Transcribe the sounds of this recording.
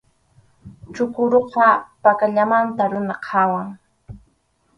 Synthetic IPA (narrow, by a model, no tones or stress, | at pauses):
t͡ʃʊkʊɾoqɑpakaʎamant̪aɾʊnaqʰawaŋ